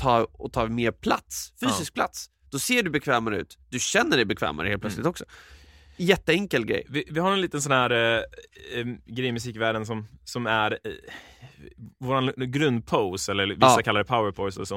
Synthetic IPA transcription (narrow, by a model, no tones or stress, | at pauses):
t̪ʰɑːɔt̪ʰɑːmeːɾpʰla̰t̪sfyːsɪsk̚pʰlat̪s | d̪̥ɔseːɖɵbɛkʰvɛːmaɾəʉ̟̰ːt̪d̪ɵɕɛnːəɖɛjbɛkʰvɛ̰ːma̰ɾə̰heːlplœslɪt̪ɔksɔ̥ | jɛt̪ːəɛŋkəlɡɾɛ̰jːvɪvɪhaɾɛnliːt̪əns̬ɔnhæːɾ | ɡɾɛjmɵsiːkvæːɖəns̬ɔmsɔmæɾ | voːɾanɡɾɵnd̪̚pʰaʊsɛlːəɾvɪsːakʰalːaɾəpʰaʊəɾpʰɔʊsɛ̰lsɔ